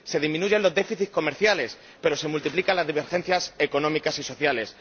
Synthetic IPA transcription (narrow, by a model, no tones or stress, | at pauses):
se̞ð̞imĩnuʝe̞nlo̞zðe̞fiθiko̞meɾθjale̞s | pe̞ɾo̞se̞mult̪iplikanlazðiβ̞e̞ɾxe̞n̟θjase̞ko̞nõmikasiso̞θjale̞s